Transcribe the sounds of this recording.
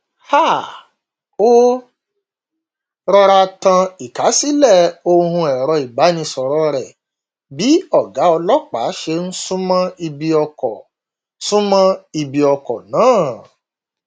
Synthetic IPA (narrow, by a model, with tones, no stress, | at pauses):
ha˦˨ | o˦ | ɾɔ˧ɾa˧tã˧i˨ka˨˦si˦lɛ˦˨o˧hũ˧ɛ˨ɾɔ˧i˨ɡ͡ba˨˦nĩ˧sɔ˨ɾɔ˧ɾɛ˨ | bi˨˦ɔ˦˨ɡa˨˦ɔ˧lɔ˦k͡pa̰˨˦ʃe˧ñ̩˦sũ˦mã˦i˧bi˧ɔ˧kɔ˨ | sũ˦mã˦i˧˨bi˧ɔ˧kɔ˨nãː˨˦˨